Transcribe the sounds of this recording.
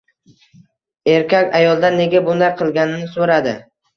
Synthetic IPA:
e̞ɾkʲʰakʲajɒlˠd̪ane̞ɡʲabʊnaɾqʰɨlˠɡʲanɪnɪsoɾad̪ɪ

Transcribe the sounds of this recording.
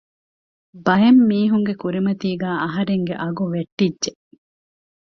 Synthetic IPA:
bɐjɐmːiːɦuŋɡekuɾimɐt̪iːɡæːɐɦɐɾeŋɡeʔɐɡuʋeʈːidʒe

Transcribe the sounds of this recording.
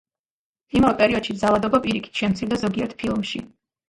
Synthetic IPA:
imavɛpʼɛɾiɔd̪̥ʃib̪zalad̪ɔbapʼiɾikʰi̥t̪ʰʃɛmt̪sʰiɾd̪azɔɡiɛɾt̪ʰpʰilˠmʃḭ

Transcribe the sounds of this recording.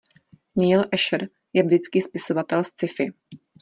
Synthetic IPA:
niːlʔɛʃɾ | jɛblɪt͡skiːspɪso̞vat̪ɛlst͡sɪfɪ

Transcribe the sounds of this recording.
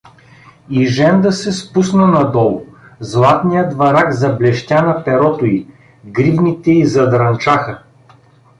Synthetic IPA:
iʒɛnd̪ɐsɛspusnənɐd̪ɔlˠʊzlˠat̪nijəd̪vɐɾakzɐblɛʃt̪ʲanɐpɛɾɔt̪ʊi | ɡɾivnit̪ɛizɐd̪ɾɐnt͡ʃaxə

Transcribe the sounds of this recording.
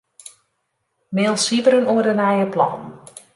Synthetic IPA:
meːlˠsivəɾənuərdənɛjəplɔ̰n

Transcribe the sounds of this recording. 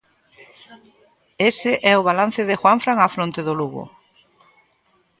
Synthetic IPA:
esɪʔɛʊβ̞alan̟θɪðɪxwaɱfɾaŋafɾont̪ɪeðʊluɣʊ̰

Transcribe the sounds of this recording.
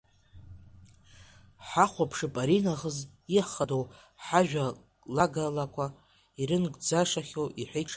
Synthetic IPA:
ħaχʷapʰʂɨpʼaɾinaχəziħχadow | ħaʒᶣa | laɡalakʷʰa | iɾɨnɡʼd͡zaʂaχʲowʔiħʷejʈ͡ʂʰ

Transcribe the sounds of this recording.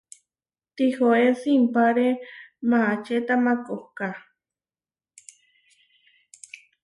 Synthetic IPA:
t̪ixoesimpaɾemaat͡ʃet̪amakohka

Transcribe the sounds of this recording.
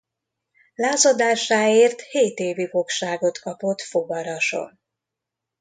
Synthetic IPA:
laːzod̪aːʃaːeːrt̪heːt̪eːvifo̞kʃaːɡo̞t̪kɒpo̞t̪foɡɒɾɒʃo̞̰n

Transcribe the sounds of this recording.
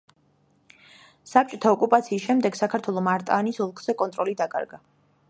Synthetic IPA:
sap̚t͡ʃʼɔt̪ʰaɔkʼupʼat̪sʰiːsʃɛmd̪ɛɡsakʰaɾt̪ʰwɛlˠɔmaɾt̪ʼaːnisɔlˠkʼz̥ɛkʼɔnt̪ʼɾɔlid̪akʼa̰ɾɡa

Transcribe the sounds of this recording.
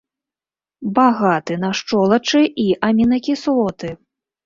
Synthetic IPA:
baɣat̪ɨnaʂt͡ʂɔlˠɐt͡ʂɨʔiʔamʲinɐkʲislˠɔt̪ɨ

